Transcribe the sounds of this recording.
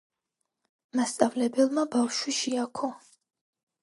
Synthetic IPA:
mast̪sʼavlɛbɛlˠmabafʃwiʃiakʰɔ

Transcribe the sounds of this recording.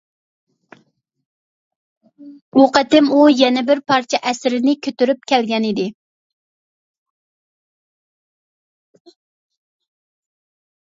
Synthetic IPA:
oqət̪ɪmujɛnɛbɪɾpʰɑɾt͡ʃʰɛʔɛsɾɪnɪkʲʰøt̪yɾyp̚kʲʰɛlɡʲɛnid̪ɪ

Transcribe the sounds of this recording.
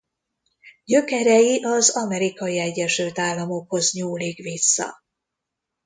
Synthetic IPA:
ɟø̞kɛɾɛjiʔɒzɒmɛɾikɒjiɛɟːɛʃylt̪aːlːɒmo̞kho̞zɲuːliːkʋisːɒ̰

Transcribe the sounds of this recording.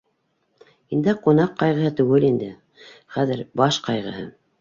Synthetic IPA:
ind̪ɘqunɑqːɑjʁɤ̆hɤt̪ʉɡɘlind̪ɘ | χæðɘɾbɑʃqɑjʁɤ̆hɤ̰

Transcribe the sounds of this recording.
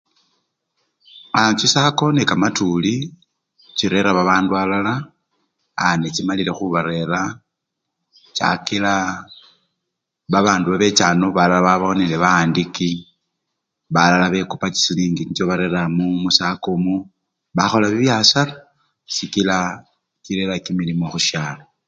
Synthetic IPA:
at͡ʃisako̞nekamatuli | t͡ʃiɾe̞ɾaβaβaːndualalaː | net͡ʃimalile̞xuβaɾe̞ɾa | t͡ʃa̰kila | βaβaːnduβaβe̞t͡ʃaːnoβalalaβaβaonileβaːndiki | βalalaβe̞kupat͡ʃi̥siliːŋɡiɲit͡ʃoβaɾe̞ɾamumusakomu | βaxo̞laβiβjasala | sikila | kiɾeɾakimilimo̞xuʃaːlo

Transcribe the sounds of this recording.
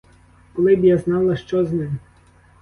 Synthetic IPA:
kɔlˠɪbjaznɑlˠɐʃt͡ʃɔznɪm

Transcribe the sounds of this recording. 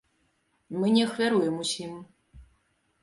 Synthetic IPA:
mɨnʲɛɐxvʲaɾujɛmusʲim

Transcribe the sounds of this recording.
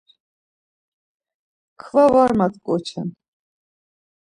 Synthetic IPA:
kʰvavaɾmat̪kʼɔt͡ʃʰɛ̰n

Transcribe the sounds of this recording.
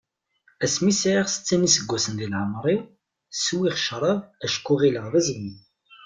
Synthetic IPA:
æsmisʕiʁsə̥t͡sːænisəɡʷːæsənðilʕəmɾˤi | swiχʃɾˤɑðæʃkːuʁiləʁðæzəɡiθ

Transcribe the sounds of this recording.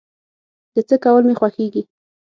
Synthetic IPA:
d̪̥ət͡səkawəlmexwaxeɡi

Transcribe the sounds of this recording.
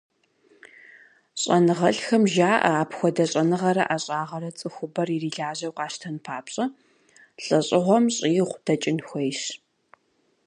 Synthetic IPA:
ɕʼɐnɨʁɐɬxɐmʒaːʔɐ̰aːpxʷɔdɐɕʼɐnɨʁɐɾɐ̰ʔaɕʼaːʁɐɾɐt͡sʼɨxʷʊbɐririːɮaːʑɐwqɑːʃtʰɐnpʰaːpɕʼɐ | ɬʼɐɕʼɪʁʷɔmɕʼiːʁʷd̥ɐt͡ʃʼɪnxʷejɕ

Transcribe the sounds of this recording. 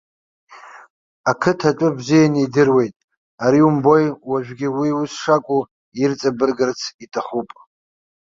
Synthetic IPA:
akʰɨtʰaʈ͡ʂʷʼʊbzijaniidɨrwe̞jtʼ | aɾiumbo̞jwaʒᶣɡʲɪwiusʂakʷʼu | irt͡sʼabɨrɡɨrt͡sʰitʰaχupʼ

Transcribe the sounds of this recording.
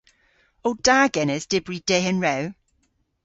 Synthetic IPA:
owd̥aɡɛnɛzd̥ɪbɹid̥eənɹɛw

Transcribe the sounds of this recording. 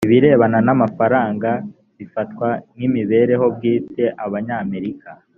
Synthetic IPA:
iβiɾe̞ːβananamafaɾaːŋɡa | βifat̚wanimiβe̞ːɾe̞ɦo̞b̚ɡiːte̞ʔaβaɲaːme̞ɾika

